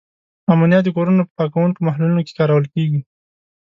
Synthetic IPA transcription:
amanijɑt̪̚d̪əkoɾunapə̥pɑkawuŋkomahlulinoke̥kɑɾawəlkeɡi

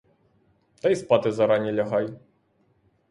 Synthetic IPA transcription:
t̪ɐjspat̪ɨzɐɾanʲːɛlʲaɣaj

